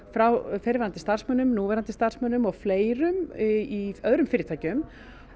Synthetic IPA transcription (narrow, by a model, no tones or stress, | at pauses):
fɾawfɛɾvɛɾant̪ɪst̪ar̥smœːnʏmnuːvɛɾant̪ɪst̪ar̥smœːnʏmɔɣfleːjɾʏmiœðɾʏmfɪːɾɪt̪ʰaːjcʏm